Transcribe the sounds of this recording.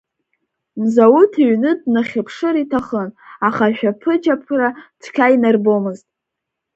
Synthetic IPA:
nzawutʰiɥnɨdnaχʲapʰʂɨɾitʰaχənaχaʃᶣapʰɨt͡ʃapʰratʰkʲʰajnarbo̞mɨztʼ

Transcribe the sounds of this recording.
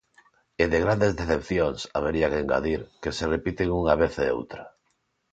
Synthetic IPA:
eðeɣɾand̪ezðeθepθjoŋsa̰βeɾiakeeːŋɡa̰ðiɾkeserepit̪eŋuŋaβ̞eθeo̰wt̪ɾa

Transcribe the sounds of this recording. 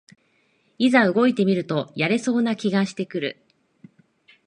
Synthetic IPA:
izaɯ̟ɡo̞it̪e̞mʲiɾɯ̟t̪o̞jaɾe̞so̞ːnakʲiɡaɕi̥t̪e̞kɯ̟ɾɯ̟̰

